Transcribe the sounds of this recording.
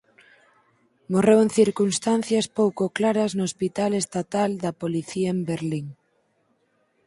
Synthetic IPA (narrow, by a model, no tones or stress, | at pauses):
morewẽŋθiɾkunst̪anθjɐspowkoklaɾɐznoospit̪alest̪at̪ald̪ɐpoliθiɐembeɾliŋ